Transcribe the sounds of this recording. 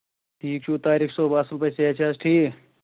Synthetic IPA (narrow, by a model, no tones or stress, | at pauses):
ʈʰiːk̚t͡ʃʰut̪aːɾiksoːbaːsəlpəjseet͡ʃʰɐsʈʰiːk